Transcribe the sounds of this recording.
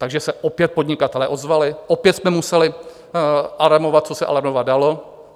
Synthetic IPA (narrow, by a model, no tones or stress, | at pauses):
t̪aɡʒɛsɛʔopjɛt̪̚po̞dɲɪkat̪ɛlɛʔo̞zvalɪʔopjɛt̪smɛmusɛlɪ | ʔalamo̞vat̪̚t͡so̞sɛʔa̰laɾmovadalo̞